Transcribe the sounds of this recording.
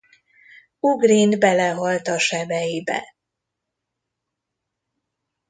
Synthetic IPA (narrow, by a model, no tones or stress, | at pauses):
uɡrinbɛlɛɦɒlt̪ɒʃɛbɛjibɛ̰